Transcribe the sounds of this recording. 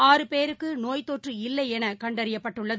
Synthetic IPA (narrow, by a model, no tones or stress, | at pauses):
aːɾɯpeːɾɯkːɯnoːjt̪ːoːʈrɯɪlːɐɪɛnɐkɐɳɖɐɾɪjɐpːɐʈːɯɭːɐðɯ